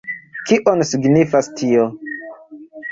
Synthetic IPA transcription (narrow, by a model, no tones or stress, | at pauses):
kiʔonsiɡnifastʰio